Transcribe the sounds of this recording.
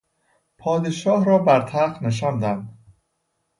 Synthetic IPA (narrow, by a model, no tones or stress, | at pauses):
pʰɒːd̪eʃɒːhɾɒːbæɾt̪ʰæɾqneʃ̬ɒːnd̪ænd̪̥